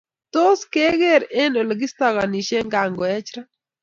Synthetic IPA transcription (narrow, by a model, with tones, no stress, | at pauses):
to˦ske˦ɡe˦˨ɾe˦no˨lɡɪ˦st̪a˦ɣa˨ni˨ʃe˦ŋɡa˨ŋɡɔ˨ɛ˦t͡ʃɾa˦